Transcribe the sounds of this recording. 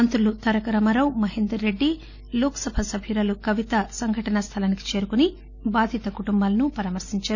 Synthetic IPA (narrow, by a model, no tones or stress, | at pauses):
ɐnt̪ɾulut̪ɐɾɐkɐɾɐmɐɾɐwmɐɦend̪ɾɐːeɖːi | loːksɐbʱɐsɐbʱʰiːɾɐlukɐʋit̪ɐsɐŋɡʱɐʈɐnɐst̪ʰɐlɐniki̥t͡ʃeːɾukuni | baːd̪ʱit̪ɐkuʈumbaːlɐnupɐɾaːmɐɾsiɲt͡ʃaː